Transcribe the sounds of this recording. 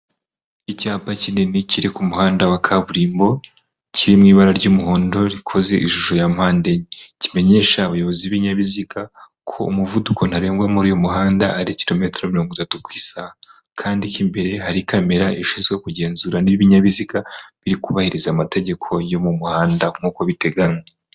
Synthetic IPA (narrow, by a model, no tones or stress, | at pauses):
icaːpacineniciɾikumuhaːndawakʰaβuɾiːmbo̞ | ciɾimŋiːβaɾaɾɟuːmuɦo̞ːndo̞ɾikʰo̞ze̞ʔḭʒuʒo̞jamhaːndeɲicime̞ɲe̞ʃaːβajo̞βo̞ziβiɲaβizika | kʰo̞ːmuvudukʰo̞n̥haɾe̞ːŋɡwamuɾijo̞muɦaːnda̰ːɾiciɾo̞me̞ːtɾomiɾo̞ːŋɡutatukwiːsa | kʰaːndicimbe̞ɾe̞haɾikame̞ɾaiʃiːzɡwe̞kuɟe̞ːnzuːɾaniβiɲaβizikaβiɾikuβahiɾizaːmate̞ɟe̞kʰo̞jo̞mumuhaːndam̥huko̞βite̞ɡaŋe